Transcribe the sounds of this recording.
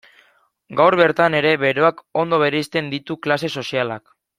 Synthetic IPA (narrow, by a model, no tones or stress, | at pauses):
ɡawɾβe̞ɾt̪ane̞ɾe̞βe̞ɾo̞ako̞nd̪o̞βe̞ɾeist̪e̞nd̪it̪uklase̞so̞sialak